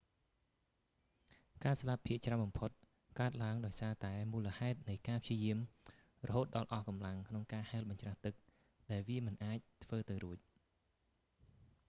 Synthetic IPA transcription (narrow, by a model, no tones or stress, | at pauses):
kaːslapʰːiəʔt͡ɕraəwɓɑmpʰot̪̚ | kaət̪̚laəŋɗaɔjsaːt̪aɛmuːləhaɛt̪̚nɨjkaːpʰt͡ɕiəjiəm | rɔɦoːt̪̚ɗɑlʔɑhkɑmlaŋkʰnoŋkaːhaɛlɓɑɲt͡ɕraht̪ɨk̚ | ɗaɛlʋiəmɨnʔaːc̚t̪ʰʋəːt̪ɨwɾuəc̚